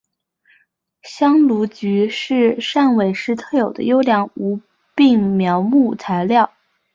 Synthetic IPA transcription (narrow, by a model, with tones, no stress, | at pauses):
ɕjɑ˥ŋlu˧˥t͡ɕy˧˥ʂɻ̩˥˧ʂa˥˩nwe˨˩ɪʂɻ̩˧˥t̪ʰɤ˥˩jo˨˩ʊd̪ə̰˦jo˥ʊljɑ˧˥ŋu˧˥ | pi˥˩ŋmjɑ˧˥ʊmu˥˩t͡sʰa˧˥ɪljɑ˥˩ʊ